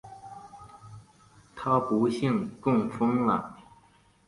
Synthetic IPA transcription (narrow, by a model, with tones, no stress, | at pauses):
t̪ʰa˥pu˧˥ɕi˥˧ŋkʊ˥˩ŋfɤ˥ŋlə˨